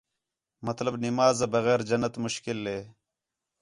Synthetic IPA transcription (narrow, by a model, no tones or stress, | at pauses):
mɐt̪lɐbnimaːzɐbɐɣeːɾd͡ʑɐnːɐt̪mʊɕkilːeː